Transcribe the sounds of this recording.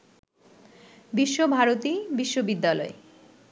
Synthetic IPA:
biʃːobʱaɾot̪ibiʃːobid̪ːalɔ̰e

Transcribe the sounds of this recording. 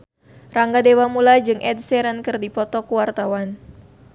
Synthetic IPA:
raŋɡadewamulad͡ʒɨŋʔɛdsɛɾənkɨrdipɔt̪ɔkuwart̪awan

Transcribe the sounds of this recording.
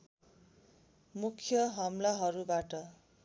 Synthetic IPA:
mukʰjʌɦʌmlaɦʌɾubaʈʌ

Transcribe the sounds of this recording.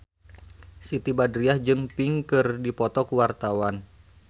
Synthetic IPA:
sit̪ibadɾiahd͡ʒɨŋpiŋkɨrdipɔt̪ɔkuwart̪awan

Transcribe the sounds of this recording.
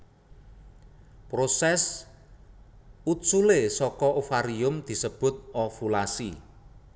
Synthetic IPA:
pɾosɛs | ut̪sulesɔkɔʔufaɾiʊmd̪̥i̤səb̥ʊ̤t̪̚ɔfulasi

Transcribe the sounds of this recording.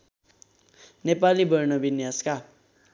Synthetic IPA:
nepalibʌɾnʌbinjaska

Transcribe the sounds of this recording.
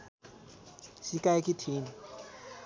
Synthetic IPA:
sikajkitʰiːni

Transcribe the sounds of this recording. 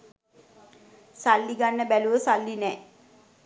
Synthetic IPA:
salːiɡanːəbæluʋəsalːinɛː

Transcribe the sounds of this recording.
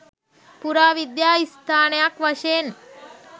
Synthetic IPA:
puɾaːʋid̪jaːist̪ʰaːɳjakʋɐʃeːn

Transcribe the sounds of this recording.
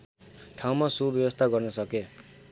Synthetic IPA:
ʈʰaw̃masubjʌbʌst̪ʰaɡʌrnʌsʌke

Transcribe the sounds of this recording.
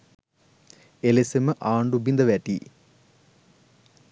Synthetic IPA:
elisemɨʔaːɳɖubind̪ɐʋæʈːi

